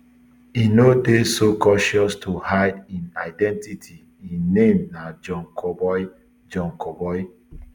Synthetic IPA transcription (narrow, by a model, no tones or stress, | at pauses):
inodesokɔʃɔstʰuhaɪdĩnaɪdɛ̃ntitʰi | ĩnːẽmnad͡ʒɔ̃nkʰɔbɔj | d͡ʒɔ̃nkɔbɔj